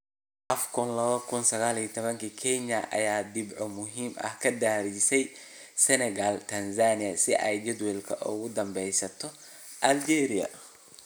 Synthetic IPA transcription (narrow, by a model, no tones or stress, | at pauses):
ʔɐfkʰʊnlɐβɐkʰʊnsɐɣaːliːt̪ʰɔβɐŋkʰikʰɛnɐʔɐ̰jaːd̪ɪbʕɔmʊɦiːmɐ̰hkʰɐd̪aːɾisɛj | sɛnɛɣaːlt̪ʰɐnsaːnɪjɐsɪʔɛ̰jd͡ʒɛd̪wɛlkʰɐʔʊ̰ɣʊd̪ɐmbɛjsɐt̪ʰɔ | ʔɐld͡ʒɛːɾɪɐ̰